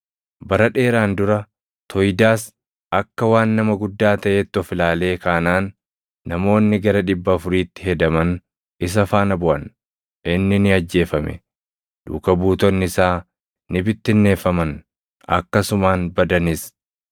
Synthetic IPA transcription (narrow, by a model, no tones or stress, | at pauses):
bɐɾɐᶑe̞ːɾaːnd̪ʊɾɐ | t̪ʰɔjd̪aːs | ɐkːɐwaːnːɐmɐɡʊd̪ːaːt̪ɐʔeːt̪ːɔfɪlaːle̞ːkaːnaːnː | ɐmo̞ːnːɪɡɐɾɐᶑɪbːɐːfʊɾiːt̪ːɪ̥ɦɛd̪ɐmɐn | ɪs̬ɐfaːnɐbʊʔɐ̰n | ʔɪnːɪnɪɐd͡ʒːe̞ːfɐmɛ̰ | d̪̥ṵːkɐbuːt̪ɔnːɪsaː | nɪbɪt̪ːɪnːe̞ːfːɐmɐn | ɐ̰kːɐsʊmaːnbɐd̪ɐnɪs